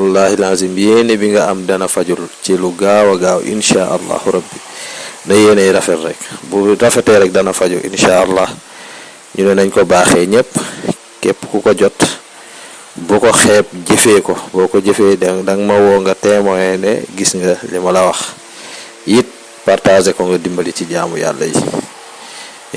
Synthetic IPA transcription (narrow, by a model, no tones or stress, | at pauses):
walːaːhilaːzimjɛnibiŋɡɐɐmdɐnɐfɐɟult͡ʃiluɡawɐɡaːwʔḭnʃaːʔɐ̰lːa̰ːhuɾɐbːinɐjɛːnɐjɾɐfɛtrɛk̚buɾɐfɛtɛɾɛk̚dɐnɐfɐɟuʔḭnʃaːʔɐlːaːh | ɲunɔnɐɲkɔbaːxɛɲɛp | kɛpːkukɔɟɔt | bukɔxɛːp̚ɟefɛːkɔbɔkɔɟefedɐŋmɐwɔŋɡɐtɛːmɔɛnɛ̰ɡisŋɡɐlimɐlɐwɐx | jit̚ | partazɛkɔŋɡɐdimbɐliciɟaːmṵja̰lːɐ̰jḭ